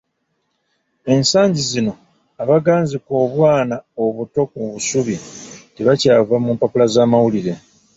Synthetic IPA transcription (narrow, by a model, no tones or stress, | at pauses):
e̞nsaːɲɟizino̞ | aβaɡaːnziko̞ːβwaːnaoβuto̞kuβusuβiteβacaːvamumpapulazaːmawuliɾe